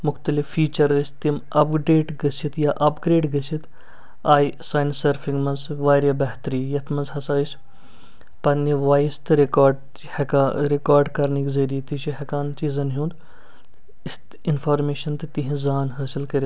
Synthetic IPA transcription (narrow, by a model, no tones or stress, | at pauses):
mʊxt̪ɐlɪfːiːt͡ʃɐɾəst̪imɐpɖeːʈɡɐsit̪ʰjaʔɐpɡɾeːʈɡɐsit̪ʰ | aːisaːnsɐɾfʰĩŋɡmɐnzʋaːɾjabɐɦt̪ɾiːjɐt̪ʰmɐzɦɐsaːis | pɐniʋaːist̪ɨɾekaːɾɖ | hkaɾekaːɾɖkɐɾnikzɐɾiːt̪it͡ʃʰiɦekaːnt͡ʃiːzɐnɦũːnd̪ | ɪst̪ | ɪnfaːɾmeːʃɐnt̪ɨt̪iɦĩzaːnɦɐːsɪlkɐɾ